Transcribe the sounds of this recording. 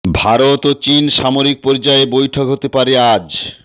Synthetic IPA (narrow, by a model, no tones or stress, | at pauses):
bʱaɾot̪ot͡ɕinʃamoɾik̚pɔɾd͡ʑaebojʈʰokɦot̪epaɾead͡ʑ